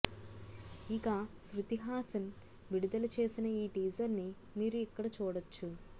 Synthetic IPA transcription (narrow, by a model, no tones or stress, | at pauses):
ikaːsɾut̪iɦaːsɐn | ʋiɽud̪ɐlɐt͡ʃe̞ːsinɐiːʈiːd͡ʒɐɾni | miːɾuikːɐɽɐt͡ʃuːɽɐt͡ʃːu